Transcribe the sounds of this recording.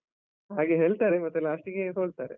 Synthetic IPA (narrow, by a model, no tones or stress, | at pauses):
ɦaːɡeɦe̞ːɭt̪aːɾemɐt̪ːɛlːaːʂʈiɡeɦoːɭt̪aːɾe